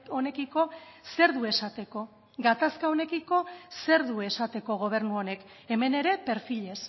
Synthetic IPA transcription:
o̞ne̞kiko̞se̞ɾðue̞sat̪e̞ko̞ | ɡat̪askao̞ne̞kiko̞se̞ɾðue̞sat̪e̞ko̞ɣ̞o̞β̞e̞rnuo̞ne̞keme̞ne̞ɾe̞pe̞ɾfiʎe̞s

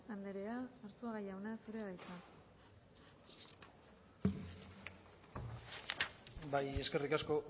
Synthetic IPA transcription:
and̪eɾeaːɾt͡suaɣajawnasuɾe̞βajt͡s̪a | baje̞ske̞rikasko̞

